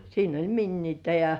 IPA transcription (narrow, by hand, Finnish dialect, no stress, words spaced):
siːn olʲ minːiːtæ jɑ